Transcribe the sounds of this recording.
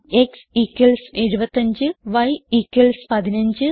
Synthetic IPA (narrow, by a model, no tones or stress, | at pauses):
eksikːɐlseɻubɐt̪ːɐɲd͡ʑɨʋɐjikːɐlspɐðinɐɲd͡ʑɨ